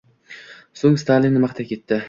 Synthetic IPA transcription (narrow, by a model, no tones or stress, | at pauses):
soŋst̪ʰalɪnːmaχt̪ʰakʲe̞t̪ːɪ